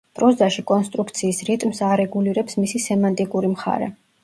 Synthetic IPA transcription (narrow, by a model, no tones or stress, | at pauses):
pʼɾɔzaʃikʼɔnst̪ʼɾuk̚ʰt̪sʰiːsɾit̪ʼmsaɾɛɡuliɾɛpsmisisɛmant̪ʼikʼuɾimχa̰ɾɛ̰